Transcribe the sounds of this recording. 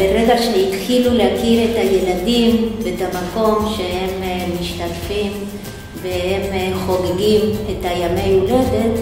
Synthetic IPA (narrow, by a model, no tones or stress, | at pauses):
beɾeɡaʃehit̪χilulehakile̞taje̞ladimetamako̞mʃe̞he̞mːiʃtatfim | vehemχo̞ɡeɡimetajame̞julede̞t̪